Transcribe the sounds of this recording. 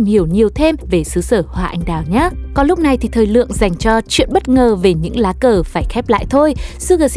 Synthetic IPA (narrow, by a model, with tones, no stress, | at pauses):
ŋ͡mhi˧˩əwɲi˨˩əwt̪ʰe˧mve˨˩sɨ˨˦səː˧˩hwaː˨˩ʔa̰˧jŋ̟ɗaː˨˩wɲaː˨˦˥kɔ˨˦lʊ˦˥k͡p̚na˨˩jt̪ʰi˨˩t̪ʰəː˨˩jlɨ̰˧˨əŋza˨˩jŋ̟t͡ɕɔ˧t͡ɕwḭ˧˨ənɓə˦˥t̚ŋəː˨˩ve˨˩ɲɨ̰˧˥ŋlaː˨˦kəː˨˩faː˧˩jxɛ˦˥p̚la̰ː˧˨jt̪ʰo˧jsɨ˧əɣəː˨˩s